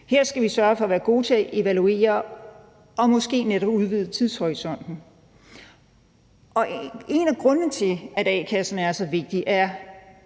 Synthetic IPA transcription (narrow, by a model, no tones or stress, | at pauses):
heɐ̰sɡ̥æʋisɶɐfɒ̽ʋæːɐɡ̥o̝̰ːt͡sʰe̝læʔe̝ʋælue̝̰ːɐː | ɒ̽mɒ̽sɡ̥e̝̰ːneɾ̥ɒb̥uð̞ˠʋið̞̰ˠət͡sʰiðˠshɒisɒ̽n̰d̥n̩ | ʔɒ̽e̝næɡ̥ʁɔ̽nnət͡sʰe̝læɾ̥ɛ̰kʰæsnæɐsɒ̽ʋe̝ɡ̥̚d̥iʔæɐ